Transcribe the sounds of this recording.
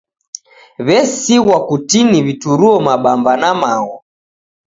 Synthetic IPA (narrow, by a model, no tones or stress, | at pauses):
βɛsiɣwakutiniβituɾuɔmaɓambanamaɣɔ